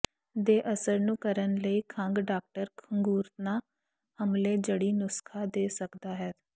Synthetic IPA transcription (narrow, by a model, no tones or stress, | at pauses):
d̪eːʔəsəɾnũːkəɾənləiːkʰəŋɡɖaːk̚ʈəɾkʰəŋɡuːɾt̪naː | həmleːd͡ʒəɽiːnʊskʰaːd̪eːsəkd̪aːɦɛː